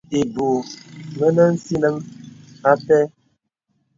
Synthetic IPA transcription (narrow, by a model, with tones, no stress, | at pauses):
e˨bo˨mə˦nə˦n̩˦si˦nə˦m | a˦pɛ˦